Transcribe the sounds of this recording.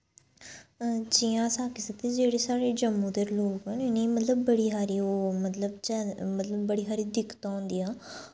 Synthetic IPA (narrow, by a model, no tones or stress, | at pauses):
d͡ʒiːãːsaːkisək̚t̪eːd͡ʒeːɽeːsaːɽeːd͡ʒəmːõːd̪əɾloːkɦənɪnĩːmət̪ləbːəɽiːɦaːɾiːoːmət̪ləbt͡ʃɛmət̪ləbːəɽiːɦaːɾiːd̪ɪkːt̪aːɦʊ̃nd̪iːaː